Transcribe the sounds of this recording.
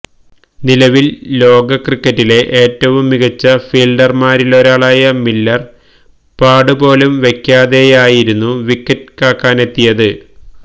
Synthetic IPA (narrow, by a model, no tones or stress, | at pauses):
nilɐʋilːo̞ːɡɐkrikːɐtːile̞ʔeːtːɐʋumːiɣɐt͡ɕːɐfiːlɖɐrmaːɾiloɾaːɭaːjɐmilːɐr | paːɖɨbo̞ːlumʋe̞kːaːðejaːjiɾunːuʋikːɐt̚kaːkːaːne̞t̪ːijɐðɨ